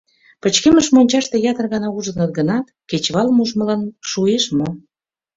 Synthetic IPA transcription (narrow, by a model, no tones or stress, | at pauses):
pə̆t͡ɕkeməʃmonʲt͡ɕɑʃt̪ejɑt̪ərɣɑnɑuʒənət̪̚ɡənɑt̪ket͡ɕβɑlmuʒməlɑnʃueʃmo